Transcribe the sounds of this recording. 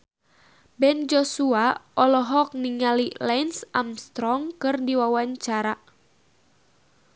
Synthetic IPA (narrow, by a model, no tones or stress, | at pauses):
bɛnd͡ʒɔsuaɔlɔɦɔk̚niŋalilɛnsamst̪ɾɔŋkɨrdiwawaɲt͡ʃaɾa